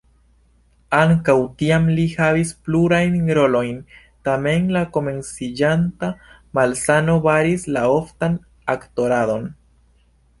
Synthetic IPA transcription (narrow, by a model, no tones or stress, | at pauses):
aŋkawtiamlihavispluɾajnɾo̞lo̞jn | tame̞nlako̞me̞nsid͡ʒanta | malsano̞vaɾislao̞ftan | akto̞ɾado̞n